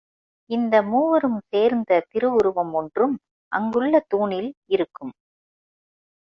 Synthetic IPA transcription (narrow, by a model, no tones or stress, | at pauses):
ɪnd̪ɐmuːʋɐɾɯmseːɾnd̪ɐt̪ɪɾɯʊɾɯʋɐmɔndrɯm | ʔɐ̰ŋɡɯɭːɐt̪uːɳɪlɪɾɯkːɯm